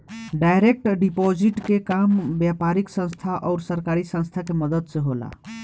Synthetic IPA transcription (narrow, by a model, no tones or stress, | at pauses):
ɖajɾek̚ʈɖipɔd͡ʒiʈkekambjapaɾiksə̃nst̪ʰaʔɔːɾsəɾkaɾisə̃nst̪ʰakeməd̪əd̪seɦola̰